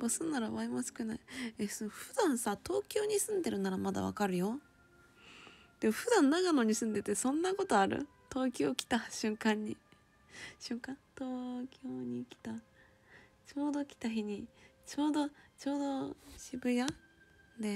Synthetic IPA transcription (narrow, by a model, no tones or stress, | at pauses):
bosɨnnːaɾaβaimosɨ̥kɯ̟naiesonoɸɯd̪ãɰ̃sat̪o̞ːkʲo̞ːɲ̟isɨ̃nd̪e̞ɾɯ̟naɾamad̪a̰βa̰kaɾɯ̟jo̞ | d̪̥e̞moɸɯ̟d̪ãnːaɡano̞ɲ̟isɨ̃nd̪e̞t̪e̞sõ̞nːako̞t̪o̞aɾɯ̰ | t̪o̞ːkʲo̞ːkʲi̥t̪aɕɨ̃ŋkãɲ̟ːi | ɕɨ̃ŋkãnt̪oːkʲo̞ːɲ̟ikʲi̥t̪a | t͡ɕo̞ːd̪o̞kʲi̥t̪açiɲ̟it͡ɕo̞ːd̪o̞t͡ɕo̞ːd̪o̞ɕibɯ̟ja | d̪e̞